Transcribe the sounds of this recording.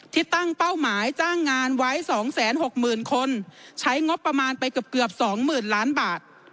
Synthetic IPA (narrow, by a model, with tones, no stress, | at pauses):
t̪ʰiː˧˩t̪a˥˩ŋpa˥˩wmaː˩˦jt͡ɕaː˥˩ŋːaː˧nwa˦˥jsɔː˩˦ŋsɛː˩˦nɦo˨˩k̚mɯː˨˩nkʰo˧nt͡ɕʰa˦˥jŋo˦˥pːa˧maː˧npa˧jkɯ˨˩əp̚kɯ˨˩əp̚sɔː˩˦ŋmɯː˨˩nlaː˦˥nbaː˨˩t̪̚